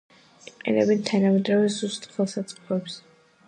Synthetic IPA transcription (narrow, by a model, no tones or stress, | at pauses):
iqʼɛ̰nɛ̰bɛnt̪ʰanamɛd̪ɾavɛzust̪χɛlˠsat̪sʼʰɛps